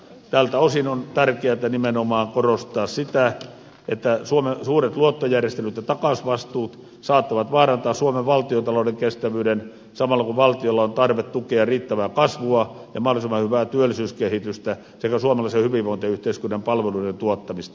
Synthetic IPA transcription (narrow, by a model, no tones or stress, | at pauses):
t̪æːlt̪æosinont̪ærkeæt̪ænimenomɑːŋkorost̪ˑɑːssit̪æ | et̪ːæsuomesuːret̪luot̪ːojærjest̪elyt̪jɑt̪ɑkɑsʋɑst̪uːt̪ | sɑːt̪ːɑʋɑt̪ʋɑːrɑnt̪ɑːssuomeʋʋɑlt̪iot̪ɑloˑdeŋkest̪æʋyːden | sɑmɑlːɑkuʋɑlt̪iolːɑont̪ɑrʋet̪t̪ukeɑriːt̪ːæʋæːkɑsʋuɑ | jɑmɑholisimːˑɑhyʋæːt̪yølːisyːskehit̪yst̪æ | sekæsuomɑlɑisehyʋiʋʋoˑint̪eyht̪eiskynːɑmpɑlʋeluident̪uot̪ːɑmist̪ɑ̥